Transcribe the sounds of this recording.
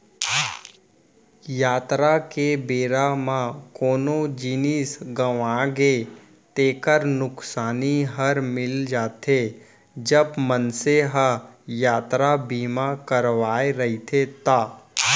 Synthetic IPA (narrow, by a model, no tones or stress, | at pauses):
jaːt̪ɾakebeːɾamãkoːnod͡ʒinisɡəʋaɡe | t̪eːkəɾnʊksaːniɦəɾmɪld͡ʒaːt̪e | d͡ʒəbmənseɦəjaːt̪ɾabiːmakəɾʋaːeɾɐɦit̪ʰet̪aː